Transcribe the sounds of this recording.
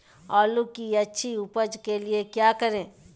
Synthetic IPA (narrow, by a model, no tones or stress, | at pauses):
ɔːlukiɐtːʃʰiupəd͡ʒkeliekjaːkɐɾẽː